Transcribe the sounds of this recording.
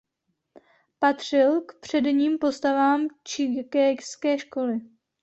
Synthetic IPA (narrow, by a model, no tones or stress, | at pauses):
pat̪r̝̥ɪlkpr̝̥ɛdɲiːmpo̞st̪avaːmt͡ʃɪkɛskɛːʃko̞lɪ